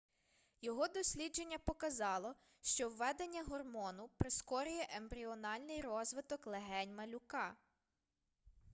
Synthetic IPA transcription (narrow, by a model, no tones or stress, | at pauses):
jɔɦɔd̪ɔsʲlʲid͡ʒe̞nʲːɐpɔkɐzɑlˠɔ | ʃt͡ʃɔwːɛd̪enʲːɐɦɔrmɔnʊpɾɪskɔɾʊjɛʔembɾʲiɔnɑlʲnɪjrɔzʋɪt̪ɔklˠeɦɛnʲmɐlʲʊkɑ